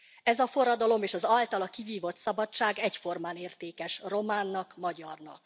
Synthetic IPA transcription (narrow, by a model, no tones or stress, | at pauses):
ɛzɒfo̞ɾɒd̪ɒlo̞meːʃɒzɒlt̪ɒlɒkiviːvo̞t̪sɒbɒt͡ʃːaːɡɛcfo̞rmaːneːrt̪eːkɛʃro̞maːnːɒkmɒɟɒrnɒ̰k